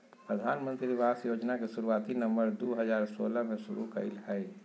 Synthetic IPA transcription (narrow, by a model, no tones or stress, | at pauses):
pɾəd̪ʱaːnmə̃nt̪ɾiʋaːsjoːd͡ʒnakesuɾuaːt̪inə̃mbəɾd̪oːɦəd͡ʒaːɾsoːləmẽsʊɾukə̰ḭlɦai